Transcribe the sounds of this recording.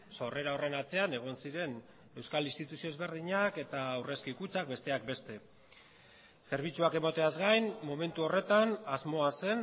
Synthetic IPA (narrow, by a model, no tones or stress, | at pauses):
so̞re̞ɾaore̞nat͡se̞ane̞ɣ̞o̞nsiɾe̞n | e̞wskalinst̪it̪usio̞ezβe̞ɾð̞iɲake̞t̪awre̞skikut͡sak̚be̞st̪e̞ak̚be̞st̪e̞ | se̞ɾβ̞it͡suake̞mot̪e̞azɡajnmo̞me̞nt̪uo̞re̞t̪anazmo̞ase̞n